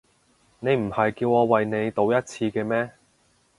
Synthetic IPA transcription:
ne˨˧jm̩˨˩hɐ˨jkiː˧wɔː˨˧wɐ˨jne˨˧jt̪o˨˧wjɐ˥t̚t͡sʰiː˧kɛː˧mɛː˥

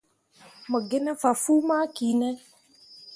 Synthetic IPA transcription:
mə˨ɡɪ˦nɛ˦fa˨fuː˦maː˦ki˨nɛ˦

